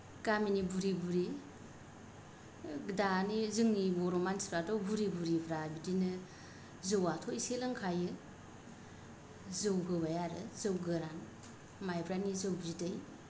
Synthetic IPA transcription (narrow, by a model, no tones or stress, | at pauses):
ɡaminibuɾibuɾi | danizɯŋnibɔɾɔmansʰi̥bɾadɔbuɾibuɾibɾabidinɯ | zɯwatʰɔjselɯŋkʰajɯ | zɯwɡɯbajaɾɯ̰zɯwɡɯɾan | majbɾanizɯwbzidɯj